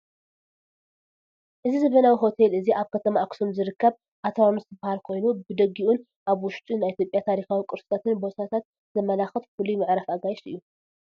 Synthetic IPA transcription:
ʔɨzizɨβɐnawiɦo̞t̪ʰelɨziʔaβkʰɐt̪ʰɐmaaksomzɨɾɨkːɐβ | ʔat̪ʰɐwamɨst̪ɨbahalkʰo̞jnubɨd̪ɐɡiʔun | ʔaβwʊʃt̪ʼunajʔit̪ʰʲjo̞pʼjat̪ʰaɾixawikʼɨɾsɨ̥t̪ʰat̪ʰɨnbo̞t̪ʰat̪ʰat̪̚ | z̥ɐmɐlaxɐt̪fulimɨʕɾafaɡajʃɨ̰jːu

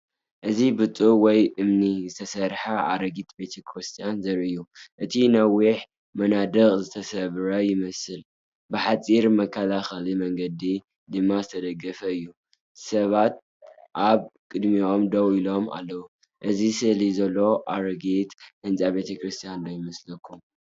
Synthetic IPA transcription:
ʔɨzibɨt̪ʼuwɔjʔɨmnizɨt̪ʰɐsɐɾħaʔa̰ɾɐɡit̪be̞t̪ʰɐkʰɾɨst̪ʰijanzɐɾɨjːuʔɨt̪ʰinɐwiħ | mɐnad̪ɐkʼzɨt̪ʰɐsɐβɾɐjɪmɐsɨl | bɨħat͡sʼiɾmɐkʰːɐlaxɐlimɐŋɡɐd̪i | d̪ɨmːazɨt̪ʰɐd̪ɐɡːɐfɐɨjːu | sɐβat̪̚ | ʔaβkʼɨd̪mio̞md̪ɐwilo̞ma̰lːɐwu | ʔɨzisɨlizɐlːo̞ʔaɾɐɡit̪hɨnt͡sʼabe̞t̪ʰɐkʰɾɨst̪ʰijanlojɪmɐslɐkʰːum

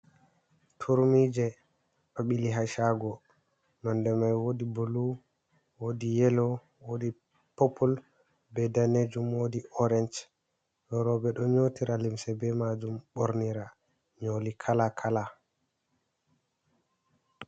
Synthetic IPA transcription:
tʰuɾmid͡ʒɛ | ɗɔɓiliɦaʃaɡɔ | nɔndɛmajwodibolu | wodijɛlɔ | wodi | popʰul | bɛdaned͡ʒumwodiʔɔɾɛnt͡ʃ | jɔɾɔbɛɗɔɲotiɾalimsɛbɛmad͡ʒumɓoɾniɾa | ɲolikʰalakʰala

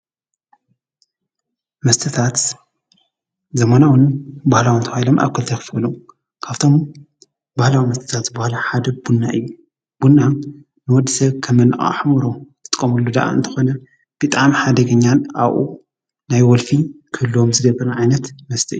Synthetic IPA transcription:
mɐst̪ʰɨt̪ʰat̪ | zɐmanawɨnbahlawint̪ʰɐxailomʔa̰βkʰɨlt̪ʰɐjkɨfɨlu | kʰaβt̪ʰo̞m | bahlawimɐst̪ʰɨ̥t̪ʰat̪zɨbahlaħad̪ɐb̥unːaʔɨjːu | b̥unːa | nɨwɔd̪ːɨsɐβkʰɐmːɐnɨʔʼa̰ħmuɾot̪ʰɨ̥t̪ʼkʼːɐmɐlːud̪a̰ʔa̰ɨ̰nt̪ʰɐ̥xo̞nɐ | b̥ɨt̪ʼaʕmħad̪ɐɡɐɲːanʔaβʔṵ | najwɔlfikʰɨɨlːomzɨɡɐβɐɾnʕajnɐt̪mɐst̪ʰiʔɨjːu

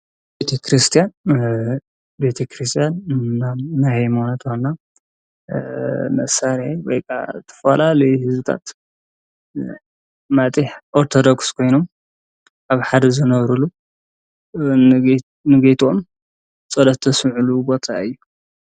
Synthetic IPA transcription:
bet̪ʰɐkʰɾist̪ʰijan | bet̪ʰɐkɾist̪ʰijannanajhajmonat̪ʰxonːa | mɐ̰saɾawojkʰʼa̰t̪ʰɐ̥fɐlalɐjhɨzut̪ʰa̰t̪ | mat̪ʼiħʔoɾt̪ʰod̪okskʰo̞jno̞m | ʔaβħad̪ɐzɨnɐβɾulu | nɨɡet̪ʰom | t͡sʼɐlɐtt̪ʰɐsmʕulubo̞t̪ʰaɨjːu

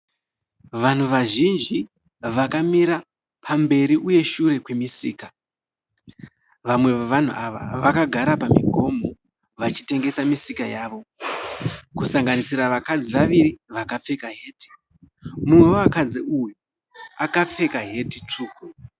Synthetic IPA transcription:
ʋan̤uʋaʒind͡ʒi | ʋakamiɾa | pʰambe̞ɾiʔuje̞ʃure̞kwe̞misiːka | ʋamwe̞ʋoʋan̤ṵʔaʋa̰ʋakaɡʱaɾapamiɡʱo̞mo̞ | ʋat͡ʃi̥te̞ŋɡe̞samisikajaːʋo̞ | kusaŋɡanisiraʋakad͡ziʋaʋiɾiʋakap͡fe̞kaɦe̞ːti̥ | mumweoakad͡ziuju | akap͡fe̞kaɦe̞tit͡ʂuːku

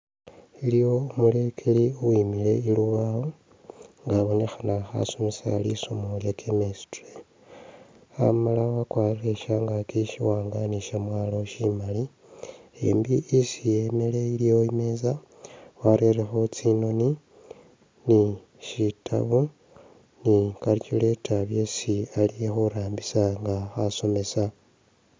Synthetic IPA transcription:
ilijo̞ːmule̞kʰeliuwimile̞iluβao | ŋɡaβo̞ne̞xanaxa̰sumisa̰lisomuljakʰemesi̥tre | a̰malawakwariɾeʃaŋɡakiʃiwaːŋɡaniʃamwaːloʃimali | e̞̰mbiisijeme̞le̞ilijo̞ime̞ːza | waɾerexot͡sino̞ni | ni | ʃitʰa̰βu | nikaɾcule̞tʰaβje̞sialijexoɾaːmbisaŋɡaxaso̞me̞sa

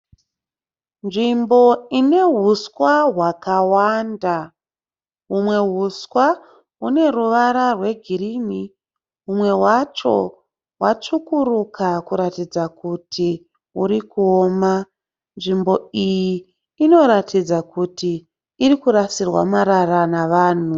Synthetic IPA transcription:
nʐimbo̞ine̞ɦuswaɦwakawanda | ɦumwe̞ɦuswa | une̞ruʋaɾarwe̞ɡʱirimi | ɦumwe̞wat͡ʃo̞̰ | wat͡ʂukuɾukʰakuɾatid͡zakutʰi | uɾikuoːma | nʐimbo̞ijiː | no̞ɾatid͡zakutiː | rikuɾasirwa̰maɾaranaʋaːn̤u

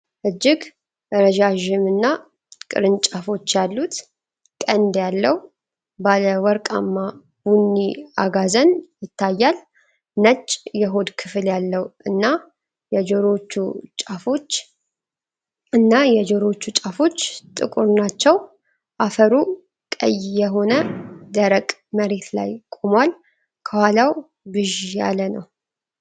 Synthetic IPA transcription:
ʔɨd͡ʒːɪɡ | ɾəʒaʒɪmɨnːa | kʼɨ̰ɾɨnt͡ʃʼafo̞t͡ʃːjalːut̪ | kʼənd̪jalːəh | baləwɔɾkʼamːa | bunːiaɡazənjɪt̪ʰːajːal | nət͡ʃʼːjɛɦo̞d̪kʰɨfɨljalːəwɨnːa | jɛd͡ʒɛɾo̞t͡ʃːṵt͡ʃʼafo̞t͡ʃː | ɨnːajɛd͡ʒɛɾo̞t͡ʃːut͡ʃʼafo̞t͡ʃːt̪ʼɨ̰kʼuɾnat͡ʃːɛw | ʔafəɾu | kʼə̰jːjɛɦo̞nəd̪əɾəkʼməɾe̞t̪la̰jkʼomwal | kʰəwalaw | bɨʒja̰lənə̰w

